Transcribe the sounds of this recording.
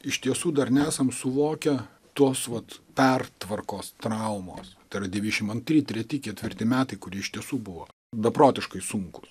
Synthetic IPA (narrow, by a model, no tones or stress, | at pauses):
ɪʃt̪ʲiɛsuːd̪ɐrnʲɛæːsɐmsʊʋoːkʲɛ | t̪uɔsʋɐt̪pʲɛrt̪ʋɐrkoːst̪ɾɐʊmo̰ːst̪ɐɪrɐd̪ʲɛʋʲiʃʲɪmɐnt̪ʲɾʲiːt̪ʲɾʲɛt̪ʲɪkʲɛt̪ʲʋʲɪrʲt̪ʲɪmʲæːt̪ɐɪkʊɾʲiːɪʃt̪ʲiɛsuːbʊʋoː | d̪ɐpɾoːt̪ʲɪʃkɐɪsuŋkʊs